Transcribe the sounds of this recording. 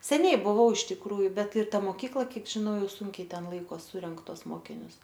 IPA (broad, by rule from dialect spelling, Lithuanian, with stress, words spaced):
sʲɛˈnʲɛɪ bʊˈʋɐʊ ɪʃ tʲɪkˈruːjʊ ˈbʲɛt ɪr ˈtɐ moːˈkʲiːklˠɐ ˈkʲiɛk ʒʲɪˈnɐʊ ˈjɛʊ ˈsʊŋʲkʲɛɪ ˈtʲɛn ˈlˠɐɪkoːs ˈsʊrʲɛŋk ˈtuɔs ˈmoːkʲɪnʲʊs